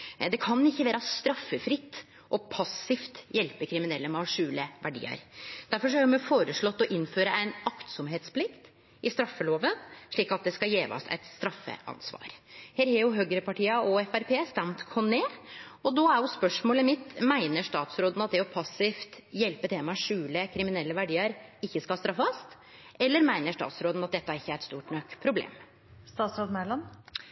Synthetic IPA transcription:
d̪ɛkʰɑnɪçːəʋæːɾɑst̪ɾɑfːəfɾɪt̪ː | ʔɔpʰɑsːɪft̪jɛlpəkʰɾɪmɪnɛlːəmɑʂʉːləʋæɖḭːə̰ɾd̪̥æɾfɔʂɔhæɾjʊmɛfoːɾəʂɭɔt̪ːɔʔɪnføːɾəæɪnɑkt̪sɔmɦeːt̪spʰlɪkt̪ | ɪst̪ɾɑfːəloːʋənʂɭiːkɑt̪̚d̪ɛskɑjeːʋɑ̰sɛ̰ɪt̪st̪ɾɑfːə̰ʔɑ̰nsʋɑ̰ːɾheːɾhɑjʊɦøːɡɾəpɑʈiːɑɔɛfæɾpʰeːst̪æmt̪kʰɔneːɔd̪ɔæɾjʊspœʂmoːləmɪt̪ːmæɪnəʂt̪ɑːt̪sɾoːd̪ən̩ɑt̪̚d̪ɛɔpʰɑsɪft̪jɛlpət̪ʰeːmɑʂʉːləkʰɾɪmɪnɛlːəʋæɖiːəɾɪçːəskɑst̪ɾɑfːɑst̪ | ɛlːəɾmæɪnəʂtɑ̰ːt̪sɾoːd̪nɑt̪̚d̪ɛt̪ːəæɾɪçːəæɾɛt̪st̪uːʈɳøkpʰɾʊblḛːm | st̪ɑːt̪sɑtmælɑm

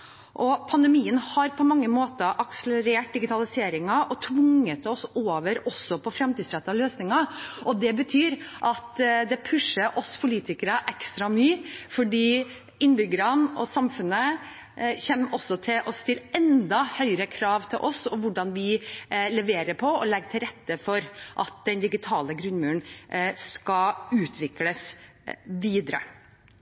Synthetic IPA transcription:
ʔɔpʰɑnd̪ɛmiːənhɑɾpʰɔmɑŋːəmoːt̪əʔɑksələɾeːʈ̚d̪ɪɡɪt̪ʰɑlɪseːɾɪŋɑʔɔt̪ʰʋʊŋət̪ɔsoːʋəɾɔsːɔpʰɔfɾɛmt̪ːsɾɛt̪ːɑløːsnɪŋɑɔd̪ɛbət̪ʰyːɾʔɑt̪d̪ɛpʰʉʂəʔɔspʰʊliːt̪ɪkəɾəʔɛkst̪ɾɑmyːfɔɖiː | ɪnbʏɡəɾɑnɔsɑmfʉnːə | çɛmʔɔsːɔt̪ʰɪlʔɔst̪ɪlɛnd̪ɑhœʏɾəkʰɾɑːʋt̪ʰɪlʔɔsɔʋʊɖɑnʋɪlɛʋeːɾəpʰɔɔlɛɡːt̪ʰɪlɾɛt̪ːəfɔɾʔɑt̪̚d̪̥ɛnd̪ɪɡɪt̪ʰɑːləɡɾʉnmʉːnskɑʉːt̪ʰʋɪkləs | ʋiːd̪ɾə̰

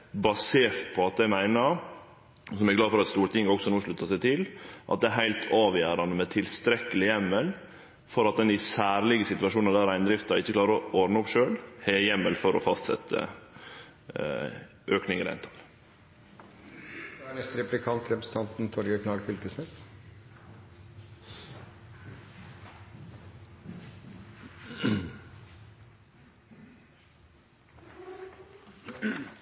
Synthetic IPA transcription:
bɑseːɾt̪pʰɔɑt̪̚d̪æɪmæɪnəɾ | sɔmæɡlɑːd̪fɔɾɑt̪st̪uːɾt̪ʰɪŋːəɔɡksɔnuːʂɭʉt̪ːɑsæɪt̪ʰɪlʔɑt̪d̪ɛæɾɦæɪlt̪ʰɑːʋjæːɾɑnəmɛt̪ʰɪlst̪ɾɛkːəlɪjɛmːəl | fɔɾɑt̪̚d̪ɛnd̪ɪsæːɾlɪɡəsɪt̪ʋɑʂuːnəd̪æːɾæɪnd̪ɾɪft̪ɑɾɪçːəkʰlɑːɾəɾɔɔɾnəɔpʂøːlhɛjɛmːəlfɔɾɔ̰fɑst̪sɛ̰t̪ʰːə̰ | ʔøːknɪŋəɾæ̰ɪnt̪ʰɑl | ænɛst̪ɾɛplɪkʰɑnt̪ɾɛpɾəs̩t̪ʰɑnt̪n̩t̪ʰɔɾɡəkʰnɑlfʏlkəsnɛs

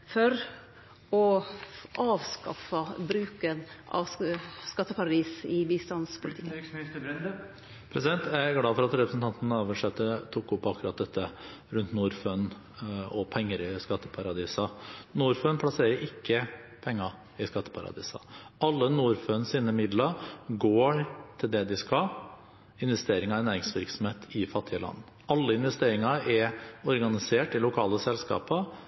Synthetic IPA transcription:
fɔɾ | ɔ | ʔɑːʋskɑ̰fɑbɾʉːkənʔɑ̰ʋskɑt̪ːəpʰɑɾɑd̪iːsɪbiːst̪ɑnspʰʊlɪt̪ʰɪ̥kə | pʰɾɛsɪd̪ɛnt̪ʰæɡlɑːfɔɾɑt̪ɾɛpɾəsn̩t̪ɑnt̪n̩əoːʋəʂɛt̪ːət̪ʰuːkːʊpːɑkʉɾɑt̪̚d̪ɛt̪ːə | ɾʉnt̪nuːɾføn | ɔpʰɛŋːəɾɪskɑt̪ːə̥pʰɑɾɑd̪iːsɑnuːɾføːnpʰlɑseːɾəɾʔɪkːə | pʰɛŋːɑ | ɪskɑt̪ːə̥pʰɑɾɑ̰d̪ḭːsɑ̰ɑlːənuːɾføːnsiːnəmɪd̪lɑɡoːɾt̪ʰɪld̪ɛd̪ɪskɑl | ɪnʋɛst̪eːɾɪŋɑɾnæːɾɪŋsʋɪɾksɔm̩heːt̪ʰɪfɑt̪ʰːɪəlɑ̰nː | ɑlːəɪnʋɛst̪eːɾɪŋɑɛɔɾɡɑnɪseːʈɪlʊkʰɑːləsɛlskɑ̰ːpə

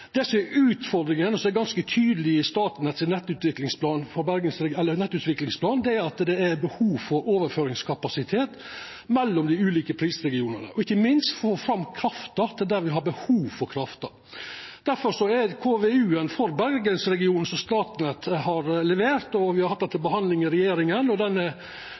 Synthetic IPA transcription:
d̪̥ɛsɔmɛɾʉːt̪fɔɾd̪ɾɪŋənɔsɔɛɡɑnskət̪ʰyːd̪əlɪəst̪ɑːt̪nɛt̪sɪnɛt̪ːʉːt̪ʋɪklɪŋspʰlɑːnfɔɾbæɾɡənsɾɛɛlːəɾnɛt̪ːʉːt̪ʋɪklɪŋspʰlɑːnd̪ɛæɾɑt̪d̪ɛæɾbəhuːʋfɔɾoːʋəɾføːɾɪŋskʰɑpɑsɪt̪ʰeːt̪ | mɛlːɔmd̪ɪʉːliːkəpʰɾiːsɾɛɡɪuːnənə̰ʔɔɪçːəmɪnst̪foːfɾɑmːkʰɾɑft̪ɑt̪ʰɪld̪æɾʋɪɦɑɾbəhuːʋfɔɾkʰɾɑft̪ɑ | d̪̥æɾfɔɾʂɔɛɾkʰoːʋeʉːənfɔɾbæɾɡənsɾɛɡɪuːnn̩sɔst̪ɑːt̪nɛt̪ːɦɑɾlɛʋeːɾt̪ɔʋɪhɑɾhɑt̪̚ːɛnt̪ʰːɪlbəɦɑnd̪lɪŋɪɾɛjeːɾɪŋənɔd̪ɛnə

